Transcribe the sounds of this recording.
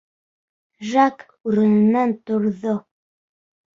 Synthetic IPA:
ʒak | ʉɾɘ̆nɘ̆nːænt̪ŏɾðo

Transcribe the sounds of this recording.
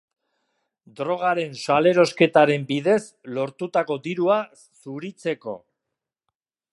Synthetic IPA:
d̪ɾo̞ɣ̞aɾe̞nsale̞ɾo̞ske̞t̪aɾe̞mbiðe̞slo̞ɾt̪ut̪ako̞d̪iɾua | suɾit͡se̞ko̞̰

